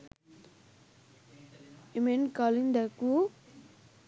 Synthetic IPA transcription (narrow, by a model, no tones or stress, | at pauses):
emenkalind̪aku